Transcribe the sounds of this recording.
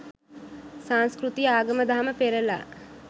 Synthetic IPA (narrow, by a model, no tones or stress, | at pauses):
saŋskɾut̪iaːɡəməd̪aɦaməpeɾəla̰